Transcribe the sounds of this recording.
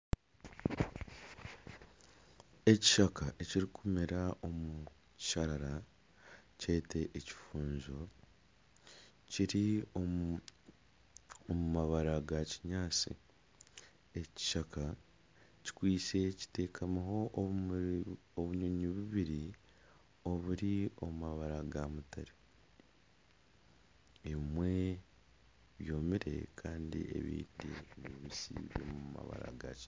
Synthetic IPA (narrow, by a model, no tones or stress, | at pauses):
e̞ci̥ʃakaʔeciɾikʰumiɾaʔomu | ci̥ʃaɾaɾa | ce̞ːtʰe̞ʔeci̥fuːnzo | ciɾio | omumaβaɾaɡaciɲaːt͡sḭ | e̞ci̥ʃakʰa | ci̥kwiːt͡se̞ci̥te̞ːkʰamaɦo̞ | oβuɲoɲiβuβiɾi | o̞βuɾio̞mumaβaɾaɡamutaɾi | emwe̞ | βjo̞ːmiɾe̞̰kʰaːndḭe̞̰βḭːdineβisḭβjo̞̰ːmuuma̰βa̰ɾa̰ɡa̰ci